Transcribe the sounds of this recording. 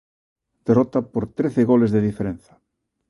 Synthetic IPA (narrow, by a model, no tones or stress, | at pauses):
d̪̥erɔt̪apoɾt̪ɾeθeɣolezðeð̞ifeɾẽn̟θɐ̥